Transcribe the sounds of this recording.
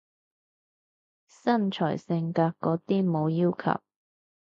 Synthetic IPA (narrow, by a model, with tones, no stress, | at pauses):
sɐ˥nt͡ʃʰɔ̰ː˨˩jsɪ˧ŋkaː˧kːɔː˨˥t̪iː˥mo˨˧wjiː˥wkʰɐ̰˨˩w